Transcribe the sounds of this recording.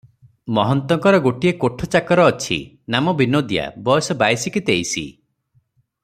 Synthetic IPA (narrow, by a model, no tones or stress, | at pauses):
mɔɦɔnt̪ɔŋkɔɾɔɡoʈiekoʈʰɔt͡ʃakɔɾɔːt͡ʃʰḭ | namɔbinod̪ija̰bɔjɔsɔbajsikit̪ejsḭ